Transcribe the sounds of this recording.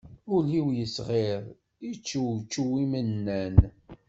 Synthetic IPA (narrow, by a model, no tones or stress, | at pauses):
uliwjəsʁeɾˤ | it͡ʃːuwt͡ʃːuwimənːæn